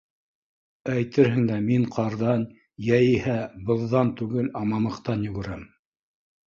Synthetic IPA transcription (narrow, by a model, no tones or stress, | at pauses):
æjt̪ɘɾɦɘŋd̪æmiɴqʰɑɾðɑn | jæjihæbɤ̆ðːɑnt̪ʉɡɘlɑmɑmɤ̆qt̪ɑnjɵ̆ɡɘ̆ɾæm